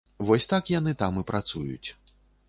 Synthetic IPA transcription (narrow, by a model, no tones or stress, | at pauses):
vɔsʲt̪akjanɨt̪amɨpɾat̪sujṵt͡sʲ